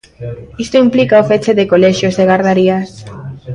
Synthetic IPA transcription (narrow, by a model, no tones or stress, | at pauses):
ist̪oimplikaofet͡ʃeðekoleʃjozðeɣaɾð̞aɾias